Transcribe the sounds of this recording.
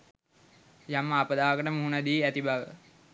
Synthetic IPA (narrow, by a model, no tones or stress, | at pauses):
jamːaːpəd̪aːkəʈəmuɦunəd̪iːæt̪ibaʋə